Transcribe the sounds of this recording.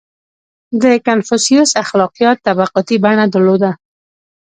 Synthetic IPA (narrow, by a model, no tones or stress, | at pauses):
d̪əkanfusijusaxlɑqijɑt̪ːabaqɔt̪ibaɳad̪əɾlod̪a